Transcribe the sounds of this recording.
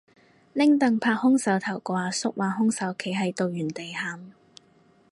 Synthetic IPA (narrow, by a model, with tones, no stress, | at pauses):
lɪ˥ŋt̪ɐ˨ŋpʰaː˧k̚hʊ˥ŋsɐ˨˥wt̪ʰɐ˨˩wkɔː˧aː˧sʊ˥k̚waː˨˩ɦʊ˥ŋsɐ˨˥wkʰe˨˩jɦɐ˨jt̪o˨˧wjyː˨˩nt̪e˨jhaː˨˩m